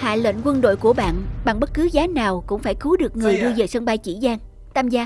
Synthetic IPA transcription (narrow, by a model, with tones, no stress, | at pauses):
ha̰ː˧˨lə̰˧˨nkwə˧nɗo̰˧˨jku˧˩əɓa̰ː˧˨nɓa˨˩ŋɓə˦˥t̚kɨ˨˦zaː˨˦naː˨˩wkʊ̰˧˥ŋ͡mfaː˧˩jkɨ˨˦ɗɨ˨˩ək̚ŋɨ˨˩əjɗɨ˧əzəː˨˩sə˧nŋ͡mɓa˧jt͡ɕḭ˧˩zaː˧ŋ | t̪ʰaː˧mzaː˧